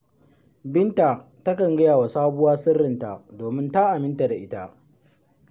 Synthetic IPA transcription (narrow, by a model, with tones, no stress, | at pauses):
bɪ˦nta˨ | tɐ˦kɐ˨ŋɡɐ˦jaː˨wa˨saː˦bʊ˦waː˦sɪ˦rːɪ˨nta̰˨doː˨mɪ˦nta˦ʔa˨mɪ˦nta˨da˨ʔɪ˦ta˦ʔ